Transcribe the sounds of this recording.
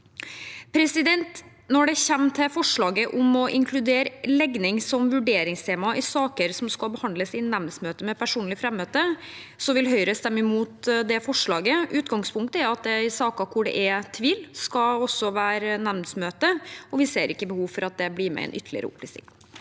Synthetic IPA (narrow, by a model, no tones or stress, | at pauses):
pʰɾɛsɪd̪ɛnt̪ | nɔɖɛçɛmːt̪ʰɪfɔʂɭɑːɡəʔʊmɔʔɪŋkʰlʉd̪eːɾlɛɡnɪŋsɔmʋʉɖeːɾɪŋst̪ʰeːmɑʔɪsɑːkəɾsɔmskɑlbəhɑnd̪ləsɪnɛʋnsmøːt̪əmɛpʰæʂuːnlɪfɾɛmːøːt̪ə | sɔʋɪlɦœʏɾəst̪ɛmːəmuːt̪d̪ɛfɔʂɭɑːɡəʔʉːt̪ɡɑŋspʰʊŋk̚t̪əæɾɑt̪̚d̪ɛɪsɑːkɑkʰʊɖɛ̰ʔɛt̪ʰʋiːlskɑɔsːɔʋæːɾnɛʋnsmøːt̪əɔʋɪseːɾɪkːəbəhuːʋfɔɾɑt̪̚d̪ɛbliːɾmɛ̰ɛ̰nʔʏt̪ʰːəlɪ̰ə̰ɾə̰ʊ̰pʰːlɪ̰sɪ̰ŋ